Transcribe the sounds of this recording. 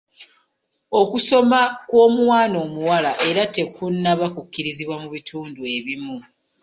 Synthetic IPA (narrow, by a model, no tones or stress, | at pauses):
o̞kuso̞makwo̞ːmuwaːno̞ːmuwalaʔe̞ɾate̞kunːaβakukːiɾiziβwamuβitʰuːndue̞βimu